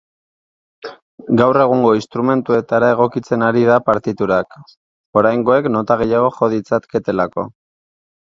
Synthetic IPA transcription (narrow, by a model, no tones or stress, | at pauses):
ɡawre̞ɣuŋɡo̞inst̪ɾume̞nt̪ue̞t̪aɾae̞ɣ̞o̞kit͡se̞naɾið̞apaɾt̪it̪uɾak | o̞ɾajŋɡo̞e̞kno̞t̪aɣ̞e̞jaɣ̞o̞xo̞ð̞it͡sat̪ke̞t̪e̞lako̞̰